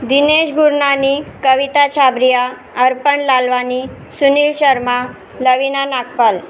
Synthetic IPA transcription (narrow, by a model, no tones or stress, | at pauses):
d̪ineɕɡuɾɳanikəʋit̪at͡ɕʰabɾija | əɾpəɳlalʋani | suniːlɕəɾma | ləʋinanakpəl